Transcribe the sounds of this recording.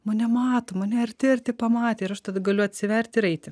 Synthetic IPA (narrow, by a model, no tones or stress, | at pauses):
mɐnʲɛmɑːt̪oːmɐnʲɛɛrt̪ʲɪrʲt̪ʲɪpɐmɑːt̪ʲeːɪɾɐʃt̪ɐd̪ɐɡɐlʲʊɐt̪ʲsʲɪʋʲɛɾʲt̪ʲɪɾɐɪt̪ʲɪ